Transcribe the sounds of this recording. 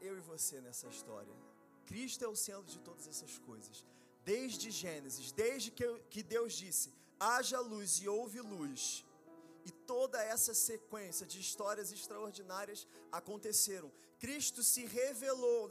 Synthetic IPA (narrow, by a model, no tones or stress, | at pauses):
ewɪvosenɛsɐiʃt̪ɔ̰ɾiɐ̰ | kɾiʃt̪ʊɛʊsẽt̪ɾʊd͡ʒɪt̪od̪ɐzɛsɐskojzɐs | d̪ejʒd͡ʒɪʒẽnezɪʃd̪ejʒd͡ʒɪkkɪd̪ewzd͡ʒisɪ | aʒɐlujzɪowvɪlujs | ɪt̪od̪ɐɛsɐsekwẽsiɐd͡ʒɪːʃt̪ɔɾiɐzɪʃt̪ɾaoɾd͡ʒinaɾiɐsakõnt̪eseɾɐ̃w̃ | kɾiʃt̪ʊsɪɦevelow